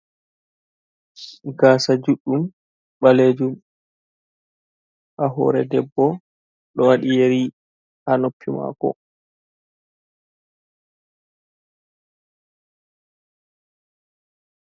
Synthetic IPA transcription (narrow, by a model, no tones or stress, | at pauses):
ɡaːsad͡ʒuɗːum | ɓaleːd͡ʒum | ʔaɦɔ̰ːɾɛdɛbːɔ | ɗɔwaɗijeɾi | hanopʰːima̰kɔ̰